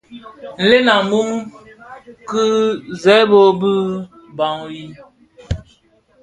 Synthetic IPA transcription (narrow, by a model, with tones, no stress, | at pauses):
n̩˨le˦na˨˦bu˦ŋ | kɨ˦zɛ˨˦bo˦bɨ˦ | ba˨ŋji˦